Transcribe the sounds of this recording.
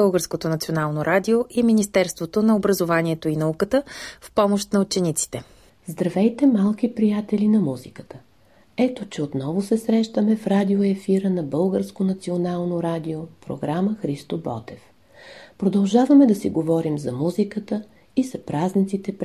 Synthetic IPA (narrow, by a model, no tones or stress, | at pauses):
əlˠɡəɾskot̪onɐt̪sionalˠnoɾad̪ioʔiminist̪ɛɾst̪vot̪onɐobɾɐzovanʲiɛt̪oinɐukət̪əfpɔmoʃt̪nɐut͡ʃɛnit̪si̥t̪ɛ | zd̪ɾɐvɛjt̪ɛmalˠkipɾijat̪ɛlinɐmuzikə̥t̪ə | ɛt̪ot͡ʃɛot̪nɔvosɛsɾɛʃt̪əmɛfɾad̪ioɛfiɾənɐbɤlˠɡəɾskonɐt̪sionalˠnoɾad̪iopɾo̰ɡɾaməxɾist̪obɔ̰t̪ɛf | pɾod̪ɐlˠʒavəmɛd̪ɐsiɡovɔɾimzɐmuzikət̪ə | izɐpɾaznit̪sit̪ɛp